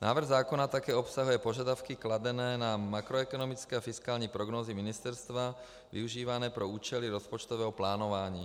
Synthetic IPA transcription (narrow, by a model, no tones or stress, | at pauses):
naːʋr̩ɣzaːkɔnat̪akɛːɔpsaɦujɛpɔʒɪad̪aʊkiklad̪ɛnɛːnamakɾɔɛkɔnɔmit͡skɛafiskaːlɲipɾɔɡnɔːziminist̪ɛɾst̪ʋa | ʋḭuʒiːʋanɛːpɾɛuːt͡ʃɛliɾɔspɔt͡ʃt̪ɔʋɛːɦɔplaːnɔʋaːɲiː